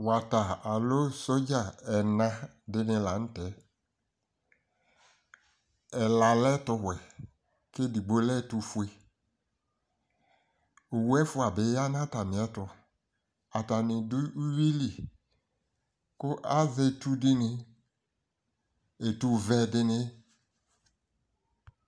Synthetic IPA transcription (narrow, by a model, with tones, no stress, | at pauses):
wa˨ta˨a˨lo˦so˦d͡ʒa˨ɛ˨nã˧ | dɪ˦nɪ̃˧la˨n̩˦tɛ˨˦ | ɛ˨la˨lɛ˦tʊ˧wɛ˨ | ke˦di˨ɡ͡bo˦lɛ˦˨tu˧fʊ˦e˨ | o˨wu˦ɛ˦fʊ˦a˨bɪ˨˦ja˦n˦ã˦ta˨mɪ̃˨ɛ˦tʊ˧ | a˨ta˨nɪ˨dʊ˦u˦wi˦li˨ | kʊ˦ʔa˦ve˦˨tu˦dɪ˦nɪ˧ | e˨tu˧vɛ˧dɪ˧nɪ˦